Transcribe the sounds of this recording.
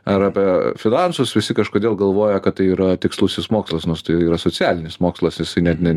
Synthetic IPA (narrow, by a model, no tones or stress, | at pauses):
ɐɾɐpʲɛfʲɪnɑnsʊsʋʲɪsʲɪkɐʃkoːd̪ʲeːlˠɡɐlˠʋoːjɛkɐt̪̚t̪ɐɪiːɾɐt̪ʲɪkslˠʊsʲɪsmoːkslˠɐsnoːst̪ɐɪiːɾɐsoːt͡sʲɪæːlʲɪnʲɪsmoːkslˠɐsjɪsɐɪnʲɛt̪nʲɛ